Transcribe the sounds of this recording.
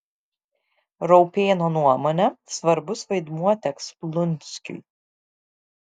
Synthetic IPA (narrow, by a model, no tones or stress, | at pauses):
ɾɔʊpʲeːnoːnuɔmonʲɛsʋɐɾbʊsʋɐɪd̪muɔt̪ʲɛksplˠʊnʲˑsʲkʲʊ̰j